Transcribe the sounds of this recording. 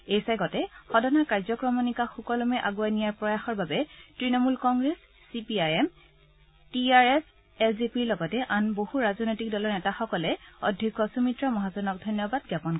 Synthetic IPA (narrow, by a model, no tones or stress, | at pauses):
ejsajɡɔtɛxɔdɔnakaɹzɔkɹɔmɔnikaxukɔlɔmɛʔaɡuanijaɹpɹɔjaxɔɹbabɛtɹinɔmulkɔŋɡɹesːipiajɛm | tiaɹɛs | ɛlzipiɹlɔɡɔtɛʔanbohuɹazɔnojtik̚dɔlɔɹnɛtaxɔkɔlɛɔdʱjikːɔsumitɹɔmɔɦazɔnɔk̚dʱɔjnjɔbad̚ɡapɔn